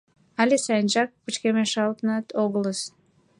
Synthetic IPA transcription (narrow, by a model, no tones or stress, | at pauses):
ɑlʲesɑjənʒɑk̚pət͡ɕkemeʃɑlt̪ənɑt̪ʰoɣələs